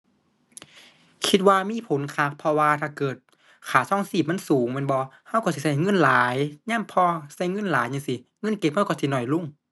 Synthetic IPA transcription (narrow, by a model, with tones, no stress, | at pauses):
kʰi˧t̪̚waː˧miː˧˥˨pʰo˨˦nkʰaː˧˩k̚pʰɔ˧waː˧t̪ʰaː˧˩kɤː˨˩t̪̚ | kʰaː˨˩sɔː˧˥˨ŋsiː˧˩p̚m˧˥˨nsuː˨˦ŋme˧˥˨nbɔː˧ha˧˩˨wkɔ˧˩si˧˩sa˧˩jŋɤ˧˥˨nlaː˨˦jɲaː˧˥˨mpʰɔː˧sa˧˩˨jŋɤ˧˥˨nlaː˨˦jɲaː˧˨si˧˦ŋɤ˧˥˨nke˧˥p̚ha˧˩wkɔ˧˩si˧˨nɔ˨˩jlu˧˥˨ŋ